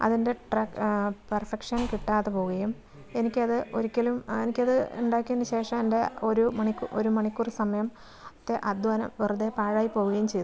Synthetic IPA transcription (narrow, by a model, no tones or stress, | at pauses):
ɐ̰ðinde̞ʈrɐkpɐrfekʂɐnkiʈːaːt̪ɨpo̞ːuɣɐjum | e̞nikʲːɨɐðɨʔo̞ɾikʲːɐlumenikʲːɐðɨuɳɖaːkʲːendɐɕe̞ːʂɐmende̞o̞ɾumɐɳikːuʔo̞ɾumɐɳikʲːurisɐmɐjɐm | t̪ːeʔɐd̪ɐnɐ̰mʋerud̪epaːɻaːjipːo̞ːɣuɣɐjumt͡ɕejt̪ː